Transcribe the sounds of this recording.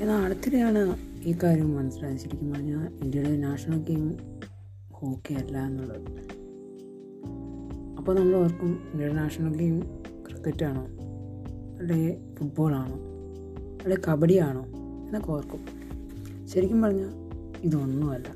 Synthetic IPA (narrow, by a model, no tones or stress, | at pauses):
enːaɐɽɐt̪ːilejaːɳɨiːkaːɾjɐmʋɐnɐsiʈːanɕɐɾikʲːumpɐrɐɲːaːindiɐɽenaːʂɐɳɐlɡejm | hoːkːejɐlːae̞nːuɭːɐðɨ | ɐpːoːnɐmːɐɭʋɐrkːumindiɐɽenaːʂɐɳɐlɡeːjm | krɨt̪ːetːaːɳo̞ː | ɐɽe | fuʈ̚bo̞ːɭaːɳoː | ɐɽekɐbɐɽijaːɳo̞ː | enːeko̞ːrkːu | ɕɐɾikʲːumpɐrɐɲːaː | iðonːuʋɐlːɐ